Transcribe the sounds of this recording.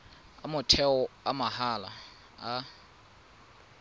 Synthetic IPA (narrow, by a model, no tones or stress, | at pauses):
amʊtʰɛɔamahala̰ | a